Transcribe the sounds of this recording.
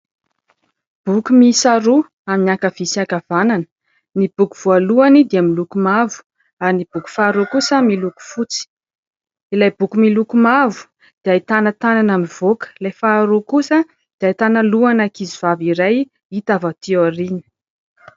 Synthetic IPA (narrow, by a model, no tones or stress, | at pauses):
b̥ukumisaɾu | aminiakav̥isiakavananə̥ | nibuku̥v̥ualuanid̪eamilukumavu̥ | aɾnib̥uku̥faːɾokusəmiluku̥fut͡si̥ | ilajb̥ukumilukumavu̥ | d̪̥iait̪anət̪ananamiv̥okə̥lajfaːɾokusə | d̪̥iait̪analuanakiziv̥aviɾaj | it̪avat̪ioɾinə̥